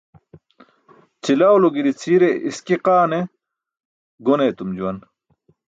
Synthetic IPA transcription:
t͡silawloɡiɾit͡sʰiɾeʔiskiqaːne | ɡoneːt̪umd͡ʑuwɐn

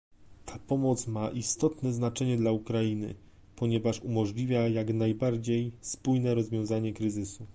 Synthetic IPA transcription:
t̪ʰapɔmɔt̪smaʔist̪ɔt̪nɛznat͡ʂɛɲɛd̪laukɾajinɘ̰ | pɔɲɛvaʂumɔʐlʲivʲjajaɡnajbaɾd͡ʑejspujnɛɾɔzvʲjɔ̃w̃zaɲɛkɾɘzɘsu

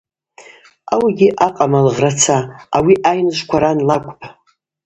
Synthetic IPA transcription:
awaɡʲiʔaqʼamalʁrat͡sʰaawiʔajnɨʃʷkʷʰaɾanlakʷʼpʰʼ

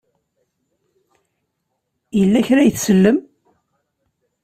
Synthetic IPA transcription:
jəlːæçɾæjθsəlːəm

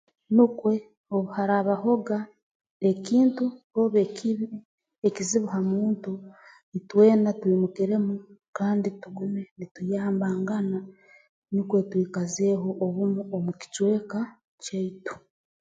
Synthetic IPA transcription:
nukwe̞ | oβuhaɾaːβaho̞ɡa | ekiːntuho̞βekiβ | ekiziβuɦamuːntu | itwe̞ːnatwiːmukiɾe̞mukaːndituɡume̞nitujaːmbaːŋɡana | nukwe̞twiːkaze̞ːɦo̞ʔːβumuomuki̥t͡ʃwe̞ːka | t͡ʃeitu̥

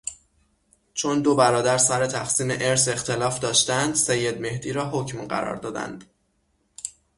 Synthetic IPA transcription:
t͡ʃʰo̞nd̪o̞bæɾɒːd̪æɾsæɾe̞t̪ʰæxsiːmeʔe̞ɾse̞xt̪e̞lɒːfd̪ɒːʃt̪ænd̪sejːe̞d̪̚me̞hd̪iːɾɒːɦocmɢæ̰ɾɒ̰ːɾd̪ɒːd̪æ̰nd̪̥

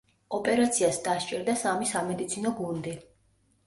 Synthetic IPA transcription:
ɔpʼɛɾat̪sʰiasd̪aʃt͡ʃʼɛɾd̪asamisamɛd̪it̪sʰinɔɡund̪i

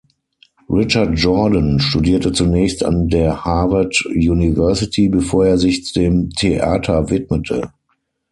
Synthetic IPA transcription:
ʁɪt͡ʃat̚d͡ʒɔdənʃtudiːɐtət͡sunɛːçstã̰ndeːɐhavɐtjunivɛɐsɪtʰibəfoːɐeːɐzɪçt͡sudeːmtʰeʔaːtʰɐvɪtmətʰə̰

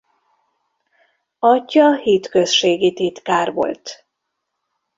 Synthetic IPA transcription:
ɒcːɒhiːt̪køsʃeːɡit̪it̪kaːrʋo̞̰lt̪

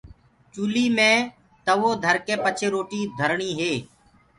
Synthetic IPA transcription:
t͡ʃuːliːmẽː | t̪əʋoːd̪ʱəɾkeːpət͡ʃʰeːɾoːʈiːd̪ʱəɾɳiːɦeː

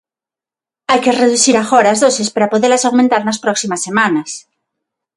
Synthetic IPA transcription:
ajkereðuθiɾaxoɾazðosespaɾapoðeɾlasawmẽnt̪aɾnaspɾɔksimasːemãnɐs

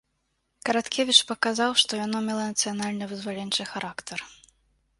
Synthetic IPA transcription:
kɐɾat̪kʲʰevʲit͡ʂpɐkazawʂt̪ɔjanɔmʲɛlˠɐnɐt̪sɨjanalʲnɨvɨzvalʲɛnʲt͡ʂɨxaɾʔakt̪ɐr

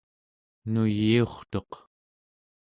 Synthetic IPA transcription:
nujioχt̪o̞q

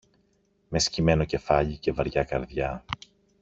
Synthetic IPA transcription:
me̞scime̞no̞ce̞fɐʎice̞vɐɾʝɐkɐɾðjɐ

